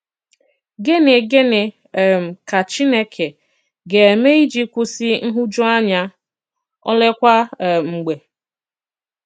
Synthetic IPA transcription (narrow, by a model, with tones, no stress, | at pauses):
ɡe˦ne˨ɡe˦ne˨ | m̩˨ka˨t͡ʃi˦ne˦kʰe˨ | ɡe˨e˨me˦i˦d͡ʒi˦kʷʊ˦si˦n̩˦ɦʊ˦d͡ʒɔ˦a˦ɲa˦ | ɔ̰˦le˦kʷa˦˨ŋ͡m̩˨ɡ͡be˨